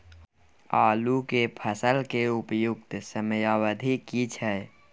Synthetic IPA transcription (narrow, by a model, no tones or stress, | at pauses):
aːlukepʰəsəlkeʊpjʊk̚t̪səmjawəd̪ʱikit͡ʃʰɛ